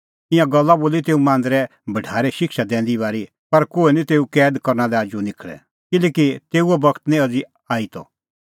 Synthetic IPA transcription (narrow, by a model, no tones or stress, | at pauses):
ɪ̃jãɡɐlːaboːlit̪eːumãːn̆d̪ɾɛ | bʱɐʈʰaːɾɛʃɪkʃad̪ɛ̃ːnd̪iβaːɾi | pɐɾkoːinĩt̪eːukɛːd̪kɐɾnalɛaːd͡ʒunɪkʰɭɛ̰ | kɪlɛːkit̪eːuɔbɐkʰt̪nĩɐd͡zi | aːit̪ɔ̰